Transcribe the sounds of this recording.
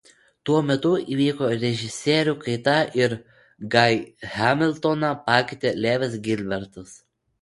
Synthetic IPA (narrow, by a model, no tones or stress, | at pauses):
t̪uɔmʲɛt̪ʊiːʋʲiːkoːɾʲɛʒʲɪsʲeːɾʲʊkɐɪt̪ɐɪɾ | ɡɐɪhʲɑmʲɪlʲˠt̪onɑpɑːkʲɪt̪ʲelʲæːʋʲɪs̬ɡʲɪlʲbʲɛɾt̪ɐs